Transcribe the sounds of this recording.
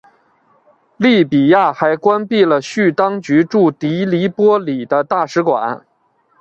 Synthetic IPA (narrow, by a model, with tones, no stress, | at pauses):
li˥˩pi˨˩ja˥˩xa˧˥ɪkwa˥npi˥˩lə˩ɕy˥˩t̪ɑ˥ŋt͡ɕy˧˥ʈ͡ʂu˥˩t̪i˧˥li˧˥pwɔ˥li˨˩d̪ə˦t̪a˥˩ʂɻ̩˧˥kwa̰˨˩˦n